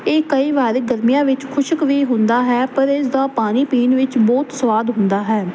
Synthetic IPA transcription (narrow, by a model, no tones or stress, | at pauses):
eːkəiːʋaːɾeɡəɾmijãːʋɪt͡ʃkʰʊʃəkʋiːɦʊ̃nd̪aːɦɛːpəɾɪsd̪aːpaːniːpiːnʋɪt͡ʃbɔːt̪səʋaːd̪ɦʊnd̪aːɦɛː